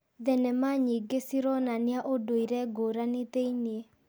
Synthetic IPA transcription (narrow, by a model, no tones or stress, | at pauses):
d̪ɛnɛmaɲiɡesiɾɔnanɪaʔodoiɾɛɡoɾanɪt̪einɪe